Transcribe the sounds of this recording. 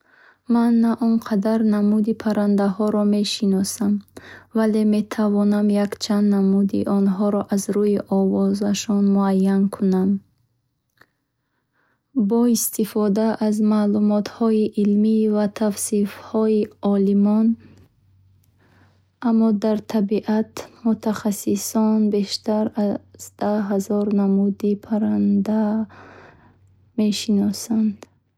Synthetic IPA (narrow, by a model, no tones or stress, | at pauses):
manːaʔɔnqʰad̪aɾnamud̪ipʰaɾand̪aɦɔɾɔme̞ʃinɔsamvale̞me̞t̪ʰavɔnamjakt͡ʃʰand̪namud̪ḭʔɔnɦɔɾɔʔazɾujiʔɔvɔzaʃɔnmuajːankʰunam | bɔist̪ifɔd̪aʔazmalumɔt̪hɔiʔilmivat̪ʰafsifhɔiɔlimɔn | amːɔd̪aɾt̪ʰabiʔat̪mut̪ʰaχasisɔnbe̞ʃt̪aɾazd̪̥aɦazɔɾnamud̪ipʰaɾand̪a | me̞ʃinɔsand̪̥